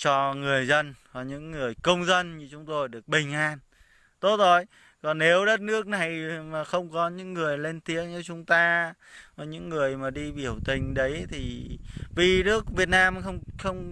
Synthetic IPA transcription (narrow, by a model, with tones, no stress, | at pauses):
t͡ɕɔ˧ŋɨ˨˩əjzə˧nvaː˨˩ɲɨ̰˧˥ŋːɨ˨˩əjkə˧wŋ͡mzə˧nɲɨ˧t͡ɕʊ˨˦ŋ͡mt̪o˧jɗɨ˨˩ək̚ɓï˨˩ŋ̟ʔaː˧n | t̪o˦˥t̚zo˧˩j | kɔ˨˩nːe˨˦wɗə˦˥t̚nɨ˦˥ək̚na˨˩jmaː˨˩xə˧wŋ͡mkɔ˨˦ɲɨ̰˧˥ŋːɨ˨˩əjle˧nt̪i˨˦ək̚ɲɨ˨˧˩t͡ɕʊ˨˦ŋ͡mt̪aː˧ | va˨˩ɲɨ̰˧˥ŋːɨ˨˩əjmaː˨˩ɗi˧ɓi˧˩əwt̪ï˨˩ŋ̟ɗə˨˦jt̪ʰi˨˩vi˨˩nɨ˦˥ək̚vi˨˩ət̚naː˧mxə˧wŋ͡mxə˧wŋ͡m